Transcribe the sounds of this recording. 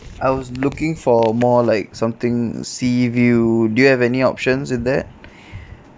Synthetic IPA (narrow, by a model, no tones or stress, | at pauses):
ʔaɪwɔslukɪ̃ŋfɔmɔlaɪk̚sãmt̪ɪ̃ŋsivudujuhɛvɛniɔ̰pʃə̃nswɪd̪ɛt̚